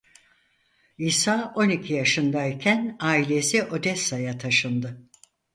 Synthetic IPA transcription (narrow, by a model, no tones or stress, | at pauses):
iːsaːʔo̞nicʰijaʃɯnd̪aicʰænaːilʲe̞siʔo̞d̪ɛsːajat̪ʰaʃɯnd̪ɯ